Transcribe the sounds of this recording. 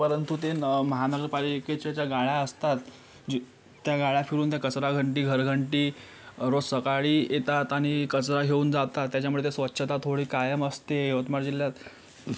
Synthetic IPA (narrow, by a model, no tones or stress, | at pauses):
pəɾənt̪ut̪enməɦanəɡəɾpaɾiket͡ɕat͡ɕjaɡaɭjaəst̪at̪ | d͡ʑ | t̪ːjaɡaɭjafiɾuːnt̪jakət͡sɾaɡʱəɳʈ̬iːɡʱəɾɡʱəɳʈiː | ɾosəkaɭiːjet̪at̪aɽ̃ikət͡sɾaɡʱeuːnd͡zat̪at̪ːjat͡ɕjamuɭet̪esʋətːɕʰət̪at̪ʰoɽiːkajəməst̪eeʋət̪maɾd͡ʑiljat̪